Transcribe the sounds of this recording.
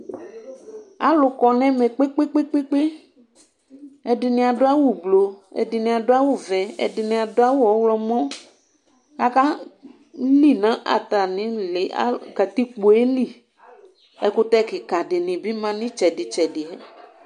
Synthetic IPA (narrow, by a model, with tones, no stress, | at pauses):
a̰˦lʊ˨kɔ˨nɛ̃˦mɛ˨k͡pe˦k͡pe˦k͡pe˦k͡pe˦k͡pe˦ | ɛ˨dɪ˨nɪ̃˨a˨dʊ˦a˦wu˨blo˨ɛ̰˨dɪ˨nɪ̃˨a˨dʊ˦a˦wu˦˨vɛ˨ɛ̰˨dɪ˨nɪ̃˨a˨dʊ˦a˦wʊ˦ɔ˨˦wlɔ˦mɔ̃˦ | ka˦ka˦ | li˦˨nã˨˦ʔa̰˨t̪a˨nɪ̃˦lɪ˨a̰˦ka˨t̪i˦k͡po˨e˦li˦˨ | ɛ˨kʊ˦t̪ɛ˦˨kɪ˨ka˨ɖɪ˨nɪ̃˨bi˦mã˦nɪ̃˦t͡ʃɛ˨dɪ˨t͡ʃɛ˨dɪ˨ɛ˨